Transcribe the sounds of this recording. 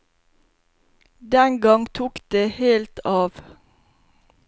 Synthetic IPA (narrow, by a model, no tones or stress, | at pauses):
d̪ɛŋɡɑŋt̪ʰuːkd̪̥eːheːlt̪ʰɑːʋ